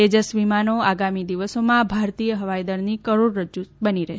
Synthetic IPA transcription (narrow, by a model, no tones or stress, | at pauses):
ed͡ʒəsʋimanoaɡamid̪iʋəsomãbʱaɾt̪ijəɦəʋajd̪əɾnikəɾoɽɾəd͡ʒubəniɾɛ